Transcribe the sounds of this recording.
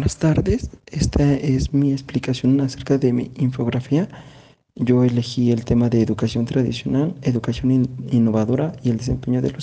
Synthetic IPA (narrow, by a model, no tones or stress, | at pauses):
enast̪aɾðe̞sest̪ʰaezmieksplikasjo̞nase̞ɾkaðe̞mḭiɱfo̞ɣɾafia | ʝo̞e̞le̞xie̞lt̪e̞maðe̞ːðukasjo̞nt̪ɾaðḭsjo̞nale̞ðukasjo̞ninːo̞βaðo̞ɾaield̪e̞s̬e̞̰mpe̞ɲo̞ðḛlos